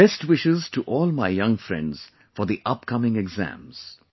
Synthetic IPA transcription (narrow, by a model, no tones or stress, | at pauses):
b̥ɛstwɪʃɪztʰəʔɔːlˠmaɪjʌ̃ŋfɹɛ̰̃ndz̥ | fɔ˞ðiʔʌp̚kʰʌmɪ̃ŋɛɡzæ̰̃mz̥